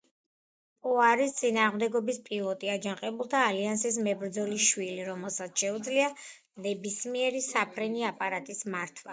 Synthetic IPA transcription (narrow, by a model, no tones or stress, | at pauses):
pʼɔaɾist̪sʼinaːʁmd̪ɛɡɔbispʼilˠɔt̪ʼiad͡ʒanqʼɛbulˠt̪ʰaːliansis̬mɛbɾd̪zɔliʃwiliɾɔmɛlˠsat̪sʰʃɛud̪zlia | nɛbismiɛɾisapʰɾɛniapʼaɾat̪ʼismaɾt̪ʰwa̰